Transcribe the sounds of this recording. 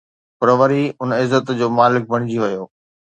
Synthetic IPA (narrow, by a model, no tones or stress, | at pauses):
pɐɾʋɐɾiʊnɪzːət̪d͡ʑoːmaːlɪk̚bʱɐɽ̃d͡ʑiʋɐjoː